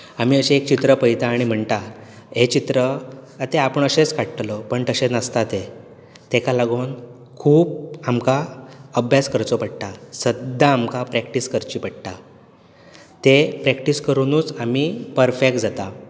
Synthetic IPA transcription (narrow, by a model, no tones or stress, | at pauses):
amiːəɕẽekt͡ɕit̪ɾəpəjt̪aːɽ̃im̤əɳt̪a | ɦet͡ɕit̪ɾəət̪eapəɳəɕet͡skaʈʈlɔpəɳt̪əɕẽnast̪at̪e | t̪ekalaɡon | kʰuːpamkaəbʱjaskəɾt͡sopəɽt̪asəd̪ʱaːmkapɾɛkʈiskəɾt͡ɕiːpəɽ̚t̪a | t̪epɾɛkʈiskəɾunuːt͡samipəɾfek̚ʈ̚d͡zat̪a